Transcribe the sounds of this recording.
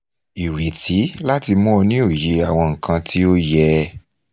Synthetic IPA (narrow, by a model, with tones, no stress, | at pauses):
i˨ɾe˨ti˨˦la˦ti˧mɔ̃˦o˧nĩ˦o˦˨je˨˦a˨w̃ɔ̃˧ŋ̩˨kã˧ti˦o˦jɛ˧